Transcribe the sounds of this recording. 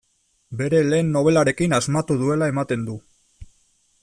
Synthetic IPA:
be̞ɾe̞le̞ːnːo̞β̞e̞laɾe̞kinazmat̪uðue̞lae̞mat̪e̞nd̪u

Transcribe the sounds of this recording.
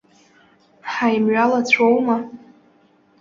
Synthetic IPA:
ħajmɥalat͡ɕʷʰowma

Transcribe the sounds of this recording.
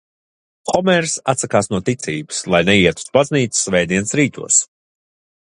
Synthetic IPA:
xɔmɛɾsat̪sakaːsnuɔt̪it̪siːbɨ̥slˠajnɛiɛt̪u̥sbazniːt̪sɨ̥svɛjd̪iɛnsɾiːt̪ʰṵɔs

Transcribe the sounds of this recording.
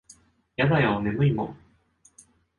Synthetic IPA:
jad̪ajaome̞mɯ̟imõ̰

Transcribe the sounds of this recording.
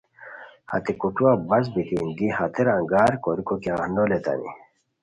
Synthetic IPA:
ha̰t̪ekuʈuabɐs̬bit̪ʰind̪ihat̪eɾaŋɡaːɾkoɾikokeahnd̪olet̪a̰nḭ

